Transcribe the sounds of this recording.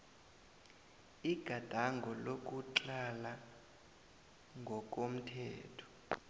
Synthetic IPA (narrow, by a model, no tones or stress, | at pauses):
iɡ̥ʱad̥ʱaŋɡʱɔlok̬ʼuǃala | ŋɡʱɔk̬ʼom̩tʰɛːtʰɔ̥